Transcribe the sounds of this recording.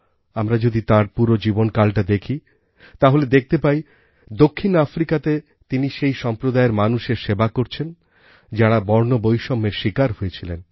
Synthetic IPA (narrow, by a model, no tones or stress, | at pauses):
amɾad͡ʑod̪it̪ãɾpuɾod͡ʑibonkalʈad̪ekʰi | t̪aɦoled̪ek̚ʰt̪epaj | d̪okʰːinafɾikat̪e | t̪iniʃejʃɔmpɾod̪aeɾmanuʃeɾʃebakoɾt͡ɕʰen | d͡ʑaɽabɔɾnobojʃɔmːeɾʃikaɾɦoet͡ɕʰilen